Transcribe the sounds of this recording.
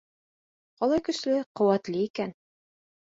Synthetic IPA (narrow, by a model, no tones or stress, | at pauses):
qɒlˠɑjkɵ̆ʃlɘqŏwæt̪lɘikæn